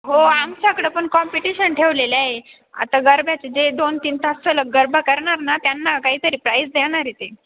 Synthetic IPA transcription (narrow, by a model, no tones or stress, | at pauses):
ɦoamsakɽəpəɳkɔmpiʈiɕənʈʰeʋlelae | a̰t̪aɡəɾbʱjat͡sed͡zed̪ont̪iːnt̪asələɡːəɾbakəɾɳaɾnat̪janːakaɦiːt̪əɾiːpɾajsd̪eɽ̃aɾet̪e